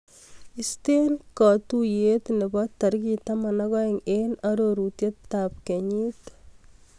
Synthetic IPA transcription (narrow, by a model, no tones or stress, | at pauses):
istenkɔt̪ujet̪nebɔt̪ːɐɾkitamanaɣɔeŋenaɾoɾutjetːap̚keɲit